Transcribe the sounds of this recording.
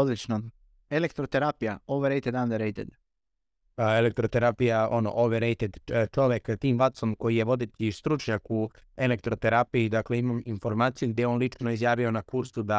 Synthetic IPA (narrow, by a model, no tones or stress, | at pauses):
od̪lit͡ʃnom | elekt̪ɾot̪eɾapijaoʋoɾejt̪ed̪and̪eɾejt̪ed̪ | elek̚t̪ɾot̪e̞ɾaːpijaono̰ʔoʋeɾejt̪ed̪t͡ʃo̞ʋjekt̪iːmʋat̪so̞mko̞jije̞ʋo̞d̪et̪ʲist̪ɾut͡ʃɲakue̞le̞k̚t̪ɾo̞t̪e̞ɾapiid̪akle̞imaminfo̞ɾmaːt̪sijuɡd̪ʲeeonlit͡ʃno̞izjaːʋio̞nakuɾsud̪a